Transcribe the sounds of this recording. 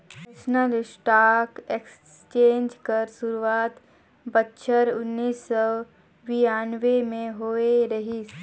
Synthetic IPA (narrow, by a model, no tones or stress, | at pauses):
snəlɪsʈaːkeks | t͡ʃẽːnd͡ʒkɐɾsʊɾuaːt̪ | bətːʃʰəɾʊnːiːsːɔ | ʋiaːnʋemẽɦoːeɾɐɦis